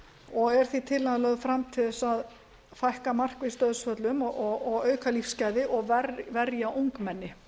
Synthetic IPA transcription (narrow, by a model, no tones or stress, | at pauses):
ɔɣɛɾ̥θit̪ʰɪlaðlœɣfɾamt̪ʰɪθɛsað | fajhkamar̥kvɪst̪œðsfœt̪lʏmɔɔɣɔɣœːɥkalifscajðɪʔɔɣvɛɾvɛɾjaʔowŋkmɛnːɪ